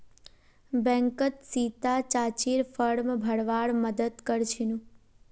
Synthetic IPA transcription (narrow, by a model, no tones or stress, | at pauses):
bɛ̃ŋkət̪sit̪at͡ʃat͡ʃiɾfəɽmbʱəɽʋaɭməd̪əd̪kəɾt͡ʃʰinũ